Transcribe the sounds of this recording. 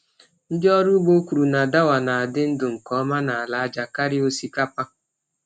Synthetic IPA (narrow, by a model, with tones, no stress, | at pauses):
n̩˦dɪ˦ɔ˦ɾʊ˦ɡ͡bo˦ku˨ɾu˨na˨da˦wa˨na˨a˨dɪ˦n̩˦dʊ˨ŋ̩˨kɔ˨˦ma˦na˨a˨la˨a˦d͡ʒa˨ka˦ɾɪ˦o˦si˦ka˦pa˦